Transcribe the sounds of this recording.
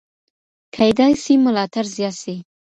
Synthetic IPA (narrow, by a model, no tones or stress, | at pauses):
kʰajd̪ɑjsimʊlɑt̪aɾzjɑsi